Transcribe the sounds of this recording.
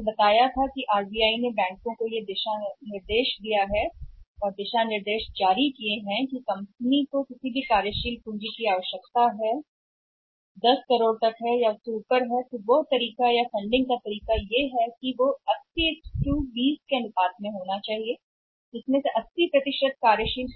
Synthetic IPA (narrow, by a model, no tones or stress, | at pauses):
bɐt̪aːjat̪ʰakiʔaːɾbiaːinebɛ̃ːŋkõkojed̪ɪʃanɪɾd̪eːʃd̪ijaɦɛɔːɾd̪ɪʃanɪɾd̪eːʃd͡ʒaːɾikieɦɛ̃kikɐ̃mpnikokɪsibʱikaːɾjəʃiːlpũːd͡ʒikiaːʋəʃjəkt̪aɦɛ | d̪ɐskɐɾoːɽt̪ɐkɦɛjasuːpəɾɦɛt̪oʋoɦt̪ɐɾiːkajafɐ̃ɳɖɪ̃ŋɡkat̪ɐɾiːkajeɦɛkiʋoɐssisʈuːbiːskenɪt̪aːt̪mẽɦoːnat͡ʃaːɦie | d͡ʒɪsmẽseʔɐsːipɾɐt̪ɪʃəd̪̚kaːɾjəʃiːl